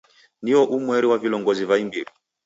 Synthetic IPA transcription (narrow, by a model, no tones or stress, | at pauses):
niɔʔumwɛɾiwavilɔŋɡɔzivaimbiɾi